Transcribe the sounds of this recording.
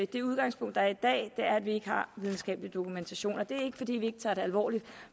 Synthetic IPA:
ed̥e̝uð̞ˠɡ̥ɑ̈ŋspʰɔ̽ŋ̰d̥ɑæɐid̥ɛ̰ːd̥e̝æɐædʋie̝ɡ̥əhɑ̈ʋið̞ˠn̩sɡ̥ɛ̰ːbəlid̥o̝kʰument͡sʰæɕo̝̰ːnɒd̥e̝æɐe̝ɡ̥əfɒ̽d̥ḭːʋie̝ɡ̥ə̥t͡sʰɑ̈ːd̥e̝ælʋɒ̰ːli̥

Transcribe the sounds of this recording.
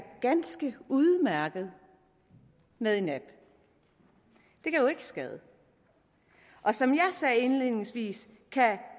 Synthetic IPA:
ɡ̥ænsɡ̥əuðˠmæɐɡ̥ð̞̩ˠ | meðˠe̝næb̥ | d̥e̝kʰæjo̝e̝ɡ̥əsɡ̥ɛð̞ˠə | ʔɒ̽sɒ̽mjɑ̈ɪsɛːe̝nlið̰ˠne̝ŋsʋḭːs | kʰæ

